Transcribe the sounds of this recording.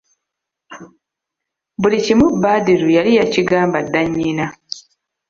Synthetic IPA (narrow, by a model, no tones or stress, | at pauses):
bulicimubːaːdeɾujalijaciɡaːmbadːaɲːina